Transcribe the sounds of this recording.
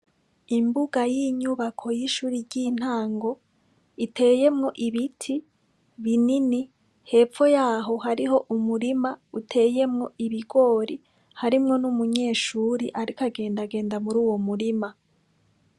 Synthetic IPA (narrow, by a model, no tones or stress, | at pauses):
imbuɡajiɲuβakʰo̞jiʃuːɾiɾɟiːn̥haːŋɡo̞ | itʰe̞ːje̞mŋo̞ʔiβitʰi | βinini | he̞ːp͡fo̞jaːɦo̞ɦaɾiɦo̞ʔumuɾimautʰe̞ːje̞mŋo̞ʔiβiɡo̞ːɾi | haɾimŋo̞numuɲe̞ːʃuːɾiʔaɾikaɡe̞ːndaɡe̞ːndamuɾuːwo̞muɾima